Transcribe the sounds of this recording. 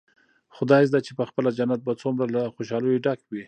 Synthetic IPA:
xʊd̪ɑjz̬d̪at͡ʃepəxpəlad͡ʒanat̪̚bat͡sumɾalaxoʃɑlujoɖakwi

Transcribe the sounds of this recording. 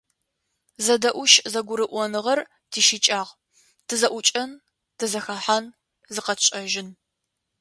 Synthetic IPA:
zɐdɐʔʷʊʃzɐɡʷʊɾɨʔʷɔnɨʁɐr | tʰiːʃit͡ʃʼaːʁ | tʰɨzɐʔʷʊt͡ʃʼɐn | tʰɨzɐxaːħan | zɨqɐɕʼɐʒɪn

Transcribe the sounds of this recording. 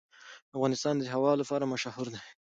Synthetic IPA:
afɣɑnɪst̪ɑnd̪əɦawɑlapɑɾamaʃɑhuɾd̪e

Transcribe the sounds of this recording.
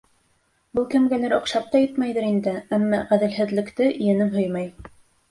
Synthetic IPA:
bɤlˠkɘ̆mɡænæɾŏqʃɑp̚t̪ɑjɘt̪mæjðɘɾind̪ɘæmːɑʁæðɘ̆lɦɘ̆ðlɘ̆kt̪ɘʔɘ̆jænɘmɦɵjmɑj

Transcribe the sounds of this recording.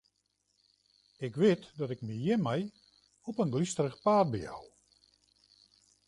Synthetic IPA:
ɪkʋɪtdɔtɪk̚mijɪnmɛj | ɔpənɡlistərəχpaːt̚bia̰w

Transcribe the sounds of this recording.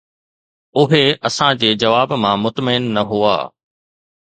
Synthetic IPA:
ʊɦeɐsãd͡ʑeːd͡ʑɐʋaːbmãːmʊt̪məɪnːɐɦua̰ː

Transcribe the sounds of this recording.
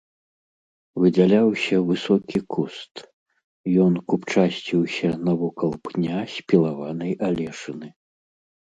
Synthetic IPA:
vɨd͡zʲalʲawsʲɐvɨsɔkʲikʰust̪ | jɔnkupt͡ʂasʲt͡sʲiwsʲɐnɐvɔkɐlˠpnʲasʲpʲilˠavanɐjʔalʲɛʂɨnɨ

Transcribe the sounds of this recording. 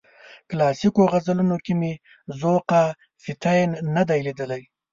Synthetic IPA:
klɑsikoɣazalunokime | zoqa | fɪt̪ajnːad̪ajlid̪əlaj

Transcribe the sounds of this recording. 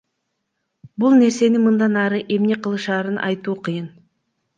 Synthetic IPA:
bulˠne̞ɾse̞nɪmɯnd̪ɑnɑɾɯʔe̞mne̞qʰəlˠɯʃɑːɾɯnʔɑ̰jt̪uːqʰɯjɯn

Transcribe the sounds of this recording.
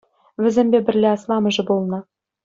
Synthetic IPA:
vʲɘ̆zʲemʲbʲebʲɘ̆rʲlʲeɑslˠɑmɤ̆ʐɘ̆bolˠnɤ̆

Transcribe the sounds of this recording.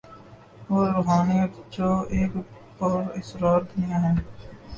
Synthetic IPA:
ʋoːɾʊɦaːniət̪d͡ʒoːeːk | pɔːɾɪsɾaːɾd̪ʊnɪjaɦɛː

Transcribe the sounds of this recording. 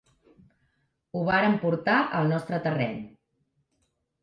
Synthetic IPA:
uβaɾəmpuɾt̪aʔəlˠnɔst̪ɾət̪ərɛ̰ɲ

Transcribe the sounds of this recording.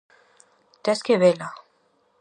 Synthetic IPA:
t̪ɛskeβela

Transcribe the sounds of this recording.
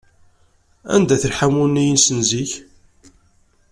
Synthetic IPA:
æ̰nd̪æθəlħamunːijənsənziç

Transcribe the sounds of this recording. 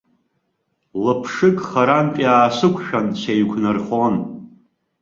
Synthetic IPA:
lɨpʰʂɨkʼχaɾanpʼjaːsɨkʷʰʼʃᶣant͡ɕʰejkʷʰnɨrχon

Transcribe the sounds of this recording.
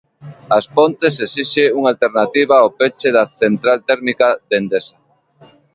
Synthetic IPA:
aspont̪esesiʃeuŋalt̪eɾnat̪iβaopet͡ʃeðaθent̪ɾalt̪ɛɾmikaðend̪esa

